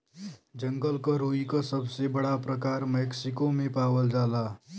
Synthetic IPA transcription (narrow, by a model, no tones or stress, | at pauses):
d͡ʒəŋɡəlkəɾuikəsəbsebəɽapɾəkaɾmɛksikomepaʋəld͡ʒala